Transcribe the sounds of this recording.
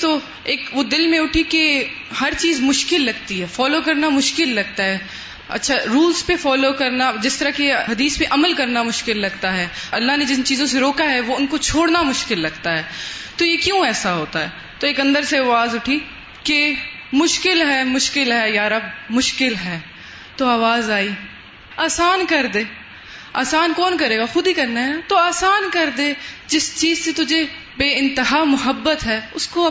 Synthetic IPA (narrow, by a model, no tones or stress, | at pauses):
t̪oː | eːkʋoːd̪ɪlmẽʊʈʰike | hɐɾt͡ʃiːzmʊʃkɪlːɐɡ̚t̪iɦɛːfɔːlokɐɾnamʊʃkɪlːɐɡ̚t̪aɦɛ | ɐ̰tːʃʰaɾuːlzpefɔːlokɐɾnad͡ʒɪst̪ɐɾakeɦɐd̪iːspẽʔɐməlkɐɾnamʊʃkɪlːɐɡt̪aɦɛːɐlːaɦned͡ʒɪnt͡ʃiːzõs̬eɾoːkaɦɛʋoʊnkot͡ʃʰoːɽnamʊʃkɪlːɐɡt̪aɦɛːt̪ojekjũɛːsaɦoːt̪aɦɛː | t̪oeːkɐ̃nd̪əɾseʋaːzʊʈʰi | ke | mʊʃkɪlɦɛːmʊʃkɪlɦɛjaːɾɐb̚mʊʃkɪlɦɛː | t̪oaːʋaːzaːiː | aːsaːnkɐɾd̪eː | aːsaːnkɔːnkɐɾeːɡaxʊd̪ʱikɐɾnaɦɛt̪oaːsaːnkɐɾd̪eːd͡ʒɪst͡ʃiːzset̪ʊd͡ʒe | beːɪ̃nt̪ɪɦaːmʊɦəbːət̪ɦɛːʊsko